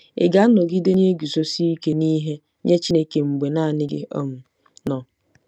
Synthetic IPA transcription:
ɪ̰˨ɡa˦nɔ˨ɡi˦de˦ɲe˦e˦ɡu˨so˦si˦i˦ke˦ni˦ɦe˦ | ɲe˦t͡ʃi˦ne˦ke˨ŋ͡m̩˨ɡ͡be˨na˦˨nɪ˦ɡɪ̰˦ʔɔ̰˦mʊ˨ | nɔ˨

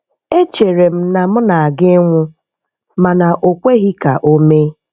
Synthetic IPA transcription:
e˦t͡ʃe˨ɾe˨m̩˦na˨m̩˦na˨a˨ɡɪ˦ŋʷʊ˦ | ma˨na˨ʔo˨kʷe˦ɣi˦ka˨ʔo˦me˦

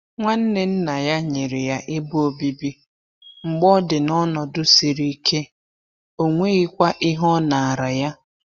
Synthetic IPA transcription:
ŋʷa˦n̩˦ne˨n̩˦na˨ja˦ɲe˨ɾɪ˨ja˦ʔɪ˦bu˦o˨bi˦bi˦ | ŋ͡m̩˨ɡ͡bɔ˦dɪ˨nɔ˦nɔ˨dʊ˦si˨ɾi˦i˦kʰe˦ | o˦ŋʷe˦ɣɪ˦kʷa˦ʔi˦ɦɔ˦na˨a˨ɾa˨ja˦

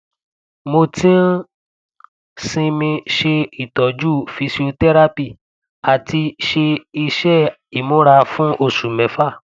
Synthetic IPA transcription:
mo˧tĩ˦n̩˦ | sĩ˧mĩ˧ʃe˧i˨tɔ˨d͡ʒu˦˨fi˧si˧o˧tɛ˦ɾa˦pi˦˨ | a˨ti˧ʃe˧i˧ʃɛ˦ | i˨mõ˨˦ɾa˧fũ˦ʔo˦˨su˨mɛ̃˨˦fa˦˨

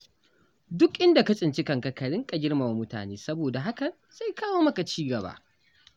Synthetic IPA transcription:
dʊ˦kʔɪ˦nda˨ka˦t͡ʃʼɪ˨nt͡ʃɪ˦kɐ˨ŋkɐ˨kɐ˨ɽɪ˦ŋkʼɐ˨ɡʲɪ˦rma˨wa˨˦mʊ˦ta̰ː˨neː˦sɐ˦boː˨da˨ɦa˦kɐ˨ | z̥a˦jkaː˦woː˦mɐ˦ka˨t͡ʃiː˦ɡɐ˨ba̰ː˦ʔ

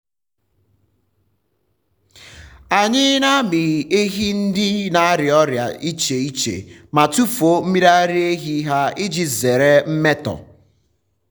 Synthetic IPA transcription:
a˨ɲɪ˦na˦mi˨e˦ɦi˦n̩˦dɪ˦na˨a˦ɾɪ˨ɔ˦ɾja̰˨ʔi˦t͡ʃe˨i˦t͡ʃḛ˨ma˨tu˦fo˦m̩˦mi˦ɾa˦ɾɪ˦e˦ɦi˦ɦa˦ɪ˦d͡ʒi˦ze˨ɾe˦m̩˦me˦tɔ̰˨

